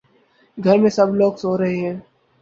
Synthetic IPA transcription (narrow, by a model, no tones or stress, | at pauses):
ɡʱɐɾmẽsɐbloːɡsoːɾɐɦeɦɛ̃ː